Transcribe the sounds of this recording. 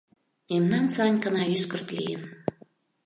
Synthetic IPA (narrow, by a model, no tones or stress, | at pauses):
memnɑnsɑnʲkənɑyskərt̪lḭjən